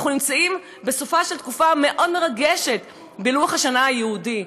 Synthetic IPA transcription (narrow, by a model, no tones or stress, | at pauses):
χunimt͡saim | be̞sofaʃe̞lt̪kufame̞ʔo̞dme̞ʁaɡeʃe̞t̪ | beluaχhaʃanaajehudi